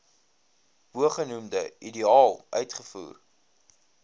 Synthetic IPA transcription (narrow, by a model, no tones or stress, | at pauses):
buəχənumdəideɑːlˠʔœ̰ɥtχəfṵːr